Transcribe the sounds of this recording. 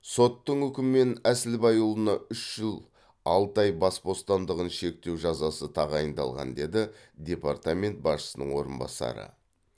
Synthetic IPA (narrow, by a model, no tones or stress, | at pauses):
so̞t̪ːəɴʏkʲɪmme̞næsɪlbɑjulˠənɑʏʃʒ̥ɪlˠ | ɑlˠt̪ɑjbɑsbo̞st̪ɑnd̪əʁənʃe̞k̚t̪e̞wʒɑzɑsət̪ʰɑʁɑjənd̪ɑ̰lˠʁɑ̰nd̪e̞d̪ɪ | d̪ʲe̞part̪amʲe̞nt̪̚bɑsʃə̥sənə̰ɴwo̞ɾənbɑ̰sɑ̰ɾə̰